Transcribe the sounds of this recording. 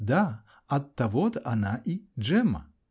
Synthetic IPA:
d̪a | ɐt̪ːɐvɔd̪ɐnaʔid͡ʒɛmɐ̰

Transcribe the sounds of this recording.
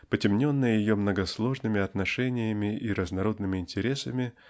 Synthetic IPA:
pətʲɪmnʲo̞nːɨjəjɪjo̞mnəɡɐslˠo̞ʐnɨmʲɪɐt̪nɐʂɛnʲɪjəmʲɪʔiɾəznɐɾo̞d̪nɨmʲɪɪnʲtʲɪɾʲe̞səmʲɪ

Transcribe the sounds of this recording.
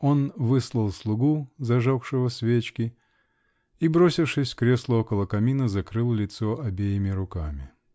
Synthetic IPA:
o̞nvɨslˠəlˠslˠʊɡuzɐʐokʂɨvəsvʲet͡ɕkʲɪ | ibɾo̞sʲɪfʂɨsʲkɾʲe̞slˠəokəlˠəkɐmʲinəzɐkɾɨlˠlʲɪt̪so̞ʔɐbʲejɪmʲɪɾʊkamʲɪ̰

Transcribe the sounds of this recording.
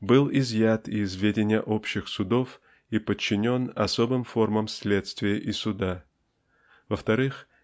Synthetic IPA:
bɨlˠɪzjat̪ɪzvʲedʲɪnʲɪjəʔo̞pɕːɪxsʊd̪o̞f | ipət͡ɕːɪnʲo̞nɐ̰so̞bɨmfo̞rməmsʲlʲet̪st̪vʲɪjəʔɪsʊd̪a | vəft̪ɐɾɨx

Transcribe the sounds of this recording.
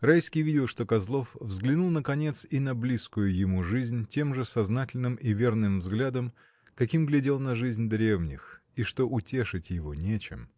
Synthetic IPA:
rajskʲijvʲidʲɪlˠʂt̪o̞kɐzlˠo̞fvzɡlʲɪnulˠnəkɐnʲe̞t̪sinɐblʲiskʊjʊjɪmuʐɨzʲnʲtʲe̞mʐɨsɐznatʲɪlʲnɨmivʲe̞rnɨmvzɡlʲad̪əm | kɐkʲimɡlʲɪdʲe̞lˠnɐʐɨzʲnʲd̪ɾʲe̞vnʲɪx | iʂt̪o̞ʔʊtʲe̞ʂɨtʲjɪvo̞nʲet͡ɕɪ̰m

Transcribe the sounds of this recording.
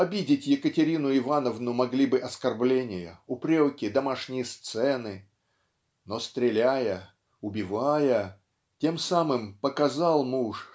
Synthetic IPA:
ɐbʲidʲɪtʲjɪkətʲɪɾʲinʊɪvanəvnʊmɐɡlʲibɨʔɐskɐrblʲenʲɪjə̰ʊpɾʲokʲɪd̪ɐmaʂnʲɪjəst̪sɛnɨ | nost̪ɾʲɪlʲæjə | ʊbʲɪvajə | tʲe̞msamɨmpəkɐzalˠmuʂ

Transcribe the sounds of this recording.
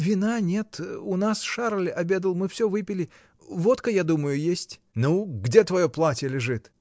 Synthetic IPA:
vʲɪnanʲe̞t̪ʊnasʂaɾlʲɐbʲe̞d̪əlˠmɨfsʲɵvɨpʲɪlʲɪ | vo̞t̪kəjad̪uməjʊjesʲtʲ | nuɡdʲe̞t̪vɐjoplˠatʲɪjəlʲɪʐɨt̪

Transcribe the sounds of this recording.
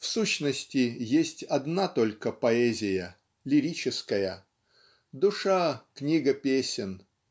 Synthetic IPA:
fsuɕnəsʲtʲɪjesʲtʲɐd̪nat̪olʲkəpɐɛzʲɪjə | lʲɪɾʲit͡ɕɪskəjə | d̪ʊʂaknʲiɡəpʲesʲɪn

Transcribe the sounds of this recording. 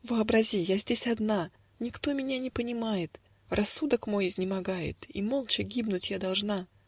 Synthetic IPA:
vɨɐbɾɐzʲijazʲdʲesʲɐd̪na | nʲɪkt̪o̞mʲɪnʲanʲɪpənʲɪmajɪt̪ | rʔɐsːud̪əkmo̞jɪzʲnʲɪmɐɡajɪ̰t̪imolˠt͡ɕɪɡʲibnʊtʲjad̪ɐlˠʐna

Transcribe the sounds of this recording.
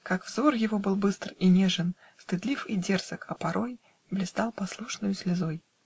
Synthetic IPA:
kakvzorjɪvo̞bɨlˠbɨst̪rinʲeʐən | st̪ɨd̪lʲifidʲersəkɐpɐɾʔo̞j | blʲɪst̪alˠpɐslˠuʂnɨjʊsʲlʲɪzoj

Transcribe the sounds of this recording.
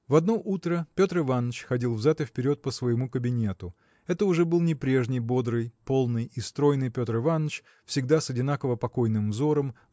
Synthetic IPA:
vɐd̪no̞ʔut̪ɾəpʲo̞t̪rɨvanːət͡ɕxɐdʲilˠvzʲat̪ɨfpʲɪɾʲo̞t̪̚pəsvəjɪmukəbʲɪnʲe̞t̪ʊ | ɛt̪əʊʐɛbɨlˠnʲɪpɾʲe̞ʐnʲɪjbo̞d̪ɾɨjpo̞lˠnɨjist̪ɾo̞jnɨjpʲo̞t̪rɨvanːət͡ɕ | fsʲɪɡd̪asɐdʲɪnakəvəpɐko̞jnɨmvzo̞ɾəm

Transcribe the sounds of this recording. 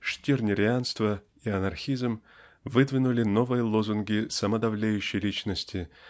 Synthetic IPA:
ʂtʲirnʲɪɾʲɪanst̪və | iɐnɐrxʲizmvɨd̪vʲɪnʊlʲɪno̞vɨjəlˠozʊnɡʲɪsɐməd̪ɐvlʲejʉɕːɪjlʲit͡ɕnəsʲtʲʰɪ

